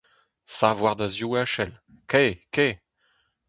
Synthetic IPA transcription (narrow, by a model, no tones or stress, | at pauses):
savwaʁd̪azjuaʃɛl | keke